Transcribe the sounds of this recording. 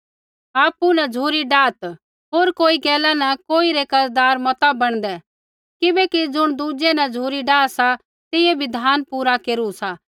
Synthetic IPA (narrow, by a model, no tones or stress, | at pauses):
aːpːunɐd͡ʒʱuːɾiɖaːt̪ | ɦoːɾkoːiɡɛːlanɐkoːiɾekɐɾd̪aːɾmɔt̪abɐɽ̃d̪ɛ | kɪbɛkid͡ʒʊɽ̃d̪uːd͡ʒenɐd͡ʒʱuːɾiɖaːsa | t̪ɪebʱid̪ʱaːnpuːɾakeːɾusa